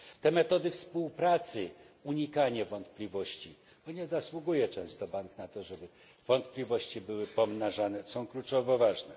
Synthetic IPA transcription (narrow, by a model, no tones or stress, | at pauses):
t̪ɛmɛt̪ɔd̪ɘfspuwpɾat̪sɘ | uɲikaɲavɔnt̪plʲivɔɕt͡ɕi | bɔɲɛzaswuɡujɛt͡ʂɛ̃w̃st̪ɔbaŋknat̪ɔʐɛbɘ | v̥ɔnt̪plʲivɔɕt͡ɕibɘwɘpɔmnaʐanɛsɔ̃w̃klut͡ʂɔvɔvaʐnɛ